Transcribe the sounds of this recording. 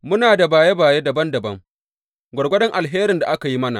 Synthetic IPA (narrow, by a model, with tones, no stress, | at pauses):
mʊ˦naː˨da˨baː˨je˦baː˨je˦dɐ˨bɐ˦ndɐ˨bɐ˦ŋ | ɡʷɐ˨ɽɡʷɐ˦dɐ˦ŋʔa˨lɦeː˦ɾɪ˨nda˨ʔa˦ka˨ji˦mɐ˦na̰ː˨